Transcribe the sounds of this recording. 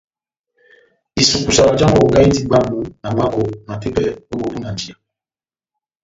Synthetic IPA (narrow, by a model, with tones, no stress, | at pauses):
i˨su˨ku˨sa˨ɾa˨d͡ʒa˦ŋ˦o˨ɡa˦i˦di˦ɡ͡ba˦m˦bu˦na˨ŋa˦ko˨na˨te˦pɛ˨o˦bo˨u˦na˨n˨d͡ʒi˦˨a˨